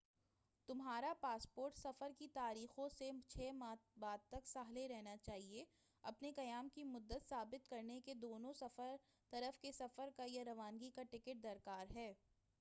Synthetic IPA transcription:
t̪ʊmɦaːɾapaːspoːɾʈsɐfəɾkit̪aːɾiːxõset͡ʃʰɛːmaːbaːd̪̚t̪ɐksaːɦleɾɛɦnat͡ʃaːɦie | ɐpnekɐjaːmkimʊd̪ːət̪saːbɪt̪kɐɾneked̪oːnõsɐfəɾ | t̪ɐɾəfkesɐfəɾkajaɾɐʋaːŋɡikaʈɪkɪʈ̚d̪ɐɾkaːɾɦɛː

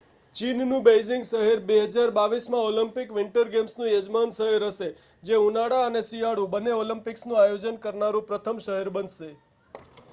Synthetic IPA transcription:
t͡ʃinnũbejzɪŋɡʃəɦɛɾbeɦəd͡ʒaɾbaʋismãoləmpɪkʋɪɳʈəɾɡemsnũjəd͡ʒmanʃəɦeɾəʃe | d͡ʒeunaɽaənesijaɽũbənːeoləmpɪksnũajod͡ʒənkəɾnaɾũpɾət̪ʰəmʃəɦeɾbənʃe

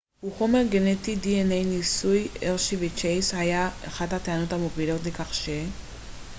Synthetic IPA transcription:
huχo̞me̞ʁɡenetidienejnisujeʁʃivit͡ʃejshajaḛχadhateanothamovilo̞tlekaχʃe

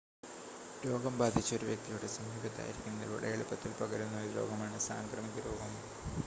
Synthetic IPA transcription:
ɾo̞ːɡɐmbaːd̪ʱit͡ɕːɐo̞ɾuʋjɐk̚t̪ijuɽe̞sɐmʱiːbɐt̪ːa̰ːjiɾikʲːunːɐʋo̰ɽɐjeɭupːɐt̪ːilpɐɡɐɾunːɐɾuɾo̞̰ːɡɐmaːɳɨsa̰ːŋkrɐmiɣɐɾo̞ːɡɐm

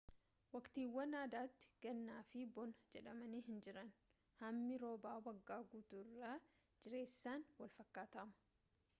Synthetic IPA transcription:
wɐkt̪iːwːɐnaːd̪aːt̪ːɪ̥ɡ̥ɐnːaːfɪbɔnɐd͡ʒɛᶑɐmɐniːɦɪnd͡ʒɪɾɐn | hɐmːɪɾo̞ːbaːwɐɡːaːɡuːt̪uɪrːa | d͡ʒɪɾe̞ːsːaːnwɐlfɐkːaːt̪ɐmʊ̥

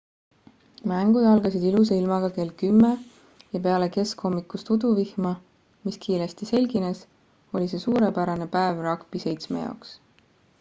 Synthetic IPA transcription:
mæŋɡ̥ud̪̥ɑlɡɑsid̪ilus̬eilmɑɡ̥ɑke̞ːlkymːe | jɑpe̞ɑle̞ke̞sko̞mːikːˑust̪ud̪̥uvihmɑ | miskʰiːɾest̪ise̞lʲɡ̥ines | o̞lʲis̬e̞suːɾe̞pæɾɑne̞pæevrɑkpise̞jt̪smḛjɑ̰oks

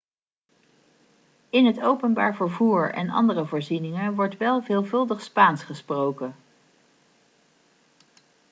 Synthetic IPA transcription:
ɪnɦətowpənba̰ːɹvəɹvuːɹɛ̰nɑ̰ndərəvoːɹzinɪŋəʋɔɹtʋɛlˠvɪːlˠvɵlˠdəχspaːnsχəsprowkə

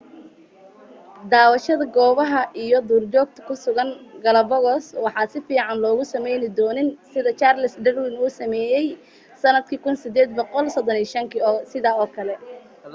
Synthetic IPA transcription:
d̪aːwɐʃɐðɐɡɔːβɐɦɐʔijɔd̪uːrt͡ʃɔːɡ̚t̪ʰɐ̥kʰʊsʊɣɐŋɡɐlɐbɔɣɔswɑħɑːsɪfiːʕɑnlɔːɣʊsɐmɛjnɪd̪ɔːnɪnsɪðɐt͡ʃaːrlɪsɖɐrwɪnuːsɐmɛːjɛj | sɐnɐd̪̚kʰiːkʰʊnsɪd̪ɛːd̪̚bɔqɔlsɔd̪ɔniːʃɐŋkʰiːsɪðaːɔːkʰɐlɛ

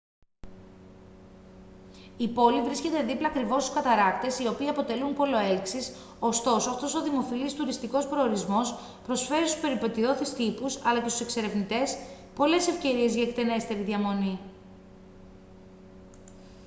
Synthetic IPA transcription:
ipo̞livɾisce̞t̪e̞ðiplɐːkɾivo̞st̪u̥skɐt̪ɐɾɐkt̪e̞sio̞piːiɐpo̞t̪e̞lunpo̞lo̞eliksis | o̞st̪o̞soɐft̪o̞so̞ðimo̞filist̪uɾist̪iko̞spɾo̞ːɾizmo̞s | pɾo̞sfe̞ɾist̪u̥spe̞ɾipe̞t̪io̞θist̪ipusɐlɐcest̪u̥se̞kse̞ɾe̞vnit̪e̞s | po̞le̞se̞fce̞ɾie̞zʝɐekt̪enest̪eɾiðʝɐmo̞ni

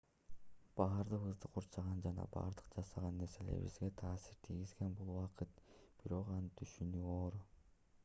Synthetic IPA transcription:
b̥ɑːɾd̪ɯqɯzd̪ɯquɾt͡ʃɑʁɑnd͡ʒɑnɑ̰bɑ̰ːɾd̪ɯqd͡ʒɑsɑʁɑnːe̞ɾse̞lḛɾβḭzɡe̞t̪ʰɑːsiɾt̪ʰiɡizɡe̞nbulˠwɑqʰɯt̪b̥iɾo̞qɑnɯt̪ʰyʃynyːoːɾ

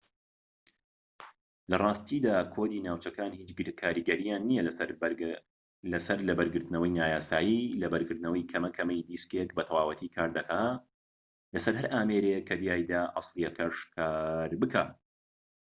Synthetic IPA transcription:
lɐrˤɑːst̪ʰiːd̪aːkʰod̪iːnaːwt͡ʃɐkaːnhiːt͡ʃɡkʰaːɾiɡɐɾijaːnːijɐl | lɐsɐɾlɐbɐɾɡɨɾt̪ɨnɐwɐjnaːjaːsaːjilɐbɐɾɡɨɾt̪nɐwɐjkʰɐmɐkʰɐmɐjd̪iːskekbɐt̪ʰɐwaːwɐt̪ʰikʰaːɾd̪ɐkaː | lɐsɐɾhɐɾʔaːmeːɾekʰːɐd̪jaːjd̪aːʔɑ̰sˤlijɛkʰɐʃkʰaːɾbɨkʰaː

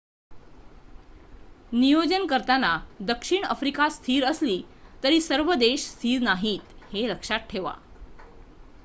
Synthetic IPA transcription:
nijod͡ʑənkəɾt̪anad̪əkʂiɳə̰fɾikast̪ʰiːɾəsliːt̪əɾiːsəɾʋəd̪eɕst̪ʰiːɾnaɦiːt̪heɾəkʂat̪̚ʈʰeʋa̰

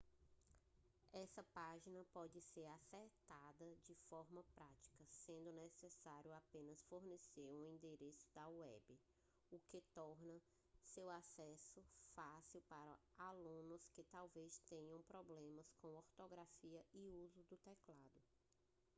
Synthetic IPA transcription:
ɛsɐpaʒinɐpɔd͡ʒɪseɾaseɾt̪ad̪ɐd͡ʒɪfɔɾmɐpɾat͡ʃi̥kɐsẽnd̪ʊnɛsɛsaɾjʊapẽnɐsfoɾneseɾuĩnd̪eɾesʊ̥d̪ɐwɛ̰bɪ | ʊket̪ɔɾnɐ | sewasɛsʊfasiwpaɾɐ̰alũnʊskɪt̪awvest̪ẽɲɐ̃w̃pɾɔblẽmɐskõw̃ɔɾt̪oɡɾafiɐɪuzʊd̪ʊt̪ɛklad̪ʊ

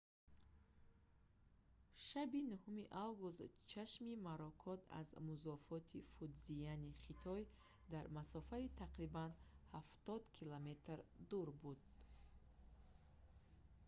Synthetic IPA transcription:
ʃabinuhumiʔavɡust̪t͡ʃʰaʃmimaɾɔkʰɔt̪ʰa̰zmuzɔfɔt̪ʰifud̪zianiχit̪ʰɔj | d̪aɾmasɔfait̪ʰaqɾibanhaft̪ɔd̪kʰilɔme̞t̪ɾd̪uɾbud̪̚

